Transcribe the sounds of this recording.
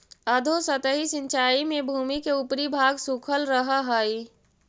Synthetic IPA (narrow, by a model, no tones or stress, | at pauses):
əd̪ʱosət̪əɦisɪ̃nt͡ʃaːimẽbʱuːmikeʊpɾibʱaːɡsukʰəlɾəɦaɦəi